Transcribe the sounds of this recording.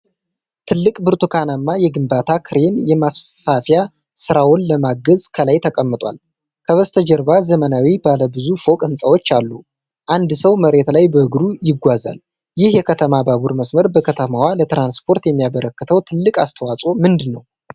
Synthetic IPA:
t̪ʰɨlːɨkʼbɨɾt̪ʰukʰanamːajɛɡɨmbat̪ʰakʰɨɾe̞njɛmasfafja | sɨɾawonləmaɡəzkʰəlajt̪ʰəkʼəmːɨt̪ʼwa̰l | kʰəβəst̪ʰəd͡ʒəɾbazəmənawibaləbɨzufo̞kʼɨnsʼəwot͡ʃːalːu | ʔand̪səwməɾe̞t̪lajbəɨɡɾujɪɡʷaza̰l | jɪhjɛkʰət̪ʰəmabaβuɾməsməɾbəkʰət̪ʰəmawalət̪ɾanspʰo̞ɾt̪jɛmːijaβəɾəkːɨt̪ʰəwt̪ʰɨlːɨkʼast̪ʰəwasʼomɨnd̪ɨnːəw

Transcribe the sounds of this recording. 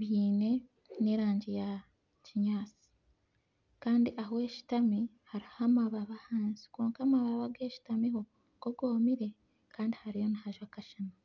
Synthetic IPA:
βiːne̞ | ne̞ɾaːɲɟeja | ciɲaːt͡si̥ | kaːndiʔaɦoeʃi̥tami | haɾihamaβaβahaːnzi̥koːŋkamaβaβaɡeːʃi̥tamiɦo̞ | ɡ̥oɡo̞ːmiɾe̞ | kaːndihaɾijo̞nahaʒwakaʃana

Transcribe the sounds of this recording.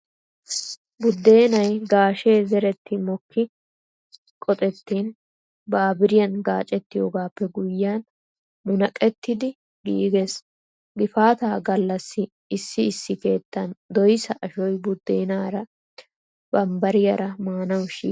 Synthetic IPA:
bʊd̪ːe̞ːnɐjɡaːʃe̞ːzɛɾɛt̪ːɪmɔkːɪ | kʼɔt̪ʼɛt̪ːiːn | baːbɪɾɪjɐnɡaːt͡ʃʼɛt̪ːɪjoːɡaːpːɛɡʊjːan | mʊnɐkʼːɛt̪ːɪd̪ɪ | ɡḭːɡes | ɡɪfaːt̪aːɡɐlːɐsːɪ | ɪsːɪɪsːɪke̞ːt̪ːɐnd̪ɔjsɐʔɐʃɔjbʊd̪ːeːnaːɾɐ | b̥ɐmbɐɾɪjɐɾɐmaːnɐwʃḭː

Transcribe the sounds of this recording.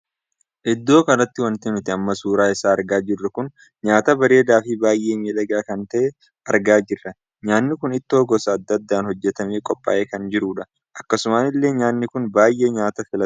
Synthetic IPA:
ʔɪd̪ːo̞ːkɐɾɐt̪ːɪwɐnt̪ɛmɪt̪ɪɐmːɐsuːɾaːɪsaːɐɾɡaːd͡ʒɪrːɐkʊn | ɲaːt̪ɐbɐɾe̞ːd̪aːfɪbaːjʔe̞ːmiːlɐɡaːkɐnt̪ɐʔɛ | ɐɾɡaːd͡ʒɪrːɐ | ɲaːnːɪkʊnɪt̪ːo̞ːɡɔsɐːd̪ːɐd̪ːaːnhɔd͡ʒːɛt̪ɐmeːkʼɔpʼːa̰ːʔe̞ːkɐnd͡ʒɪɾuːᶑɐ | ʔɐkːɐsʊmaːnɪlːe̞ːɲaːnːɪkʊnbaːjʔe̞ːɲaːt̪ɐfɪlɐ

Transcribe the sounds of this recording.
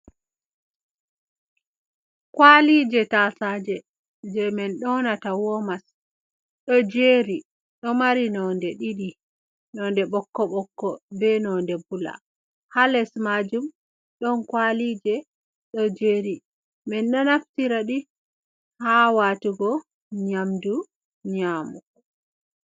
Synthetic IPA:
kwalid͡ʒɛtasaːd͡ʒɛ | d͡ʒɛmɛnɗɔnatawɔmas | ɗɔd͡ʒeːɾi | ɗɔmaɾinɔndɛɗiɗi | nɔndɛɓɔkːɔɓɔkːɔbɛnɔndɛbula̰ | halɛsmad͡ʒum | ɗɔnkwalid͡ʒɛ | ɗɔd͡ʒeɾi | mɛnɗɔnaftiɾaɗi | hawatuɡɔ | ɲamdu | ɲaːmu

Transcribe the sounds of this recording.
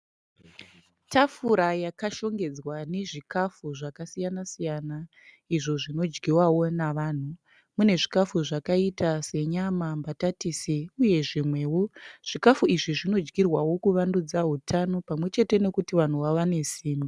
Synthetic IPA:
tʰafuɾajakaʃo̞ŋɡe̞d͡zwane̞ʐikafuʐakasijanasijana | iʐo̞ʐino̞d͡ʒɡiwawo̞naʋaːn̤u | mune̞ʐikafuʐakaitase̞ɲamambatatiːseuje̞ʐimwe̞ːwoʐ̥ikafuiʐiʐino̞d͡ʒɡirwawo̞kuʋandud͡zaɦutʰano̞pamwe̞t͡ʃe̞te̞ne̞kutiʋan̤uʋaʋane̞siːnu

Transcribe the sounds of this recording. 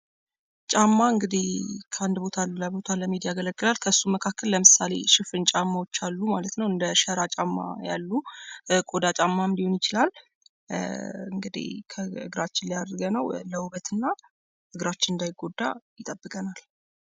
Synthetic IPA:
t͡ʃʼamːaɨŋɡɨd̪ihkʰəand̪bo̞t̪ʰalːulabo̞t̪ʰaləmid̪ijaɡələɡːɨlalkʰəsːuməkʰakːəlːəmɨsale̞̰ʃɪfɨnt͡ʃʼamːawo̞t͡ʃːalːumalət̪nəwɨnd̪əʃəɾat͡ʃʼamːa̰ja̰lːukʼo̞d̪at͡ʃʼamːaɨnd̪ihonjɪt͡ʃɪlal | ɨŋɡɨd̪ḭhkʰəɨɡɨɾat͡ʃːɪnlijad̪ɾɨɡənəwləwuβət̪ʰɨnːa | ʔɨɡɾat͡ʃːɪnɨnd̪ajɪɡo̞d̪ːajɪt̪ʼəbːɨkʼənal

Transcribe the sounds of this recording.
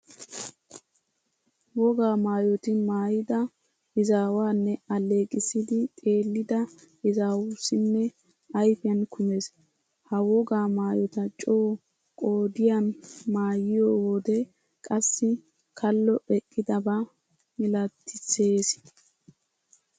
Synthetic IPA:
wɔɡaːmaːjɔt̪ɪmaːjɪd̪ɐ | ɪzaːwaːnːɛɐle̞ːkʼɪsɪd̪ɪt̪ʼe̞ːlːɪd̪ɐ | ɪzaːwusɪnːɛ | ɐjfɪjɐnkʰʊmes | hɐwɔɡaːmaːjɔt̪ɐt͡ʃʼoː | kʼo̞ːd̪ɪjanmaːjɪjoːwɔd̪ɛ | kʼɐsːɪ | kʰɐlːɔɛkʼːɪd̪ɐba | mɪlɐt̪ʰːɪt͡sːeːs

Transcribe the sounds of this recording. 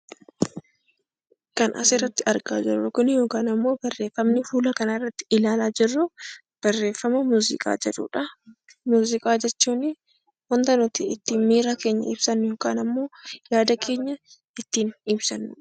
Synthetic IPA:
kɐnʔɐ̰sɪɾːɐt̪ːɪɐɾɡa̰ːd͡ʒɪ̰rːʊkʊnɪjo̞ːkaːnɐmːo̞ːbɐrːe̞ːfːɐmnɪfuːlɐkɐnɐɪrːɐt̪ːɪ̥ɪlaːlaːd͡ʒɪrːʊ | b̥ɐrːe̞ːfːɐmɐmuːzɪ̰kʼa̰ːd͡ʒɛᶑṵːᶑɐ | muːzɪkʼaːd͡ʒɛt͡ʃːuːnɪ | wɐnt̪ɐnɔt̪iɪt̪ːiːnmiːɾake̞ːɲːɐ̰ɪ̰bsɐnːjo̞ːkaːnɐmːo̞ːjaːd̪ɐkʰe̞ːɲːɐ | ɪt̪ːiːnɪbsɐnːʊ

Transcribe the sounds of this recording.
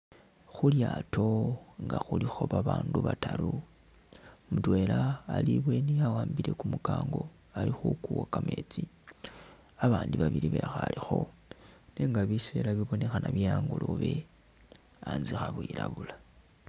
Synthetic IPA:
xuljaːtʰo̞ŋɡaxulixo̞βaβaːnduβataɾu | mutwelaːliβwe̞niawaːmbiɾe̞kumukaːŋɡo̞ | alixukuwakame̞ːt͡si | aβaːndiβaβiɾiβexalixo̞ | neŋɡaβise̞laβiβo̞ne̞xanaβiaːŋɡuloβe̞ | anzixaβwiɾaβula

